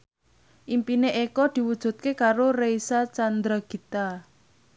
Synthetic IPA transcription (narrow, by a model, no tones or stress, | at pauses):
ʔimpineʔekɔd̪̥i̤wud̥ʒ̥ṳt̪̚kekaɾorejsat͡ʃand̪ɾaɡ̥i̤t̪a